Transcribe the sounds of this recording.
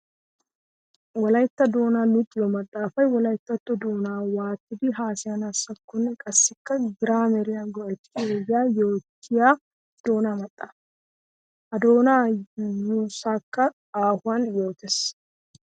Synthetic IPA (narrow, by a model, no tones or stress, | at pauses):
wɔlɐjt̪ːɐd̪o̞ːnalʊt̪ʼːɪjɔmɐt̪ʼːaːfɐjwɔlɐjt̪ːɐt̪ːɔd̪o̞ːnaːwaːt̪ːɪd̪ɪɦaːsɪjanɐsːɐkːɔnːɛkʼɐsːɪkːɐɡɪɾaːmɛɾɪjanɡɔʔɛt̪ːɪojːaːjoːt̪ːɪjaː | d̪̥oːnaːmɐt̪ʼːaːf | ɐd̪oːnaːjoːsaːkːɐ | aːhʊanjoːt̪ɛs